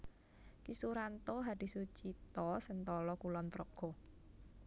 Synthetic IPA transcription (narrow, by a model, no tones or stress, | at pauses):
kisuɾant̪oɦad̥i̤sut͡ʃit̪ɔsənt̪ɔlɔkulɔnt̪ɾɔɡ̥ɔ